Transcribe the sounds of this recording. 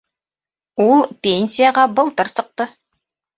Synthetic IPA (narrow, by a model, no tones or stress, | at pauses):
ulˠpʲenʲsʲijaʁɑbɤ̆lˠt̪ɤɾsɤ̆q̚t̪ɤ